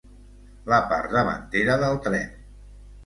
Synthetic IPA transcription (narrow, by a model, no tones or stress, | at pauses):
ləpa̰ɾd̪əβə̰nt̪eɾəðəlˠt̪ɾɛn